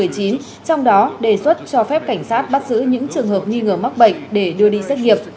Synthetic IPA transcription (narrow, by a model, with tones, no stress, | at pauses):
ɨ˨˩əjt͡ɕi˨˦n | t͡ɕɔ˧wŋ͡mɗɔ˨˦ɗe˧˩swə˦˥t̚t͡ɕɔ˧fɛ˦˥p̚ka˧˩jŋ̟saː˦˥t̚ɓa˦˥t̚zɨ̰˧˥ɲɨ̰˧˥ŋt͡ɕɨ˨˩əŋɦəː˨˩p̚ŋwi˧ŋəː˧˩ma˦˥k̚ɓə̰˧˨jŋ̟̚ɗe˧˩ɗɨ˧əɗi˧sa˦˥t̚ŋi˨˩əp̚